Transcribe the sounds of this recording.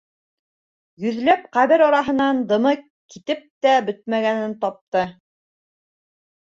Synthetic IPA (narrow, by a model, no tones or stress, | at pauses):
jɵ̆ðlæp̚qæβɘɾɑɾɑɦɤ̆nɑnd̪ɤ̆mɤ | kit̪ɘp̚t̪æbɵt̪̚mæɡænɘnt̪ɑp̚t̪ɤ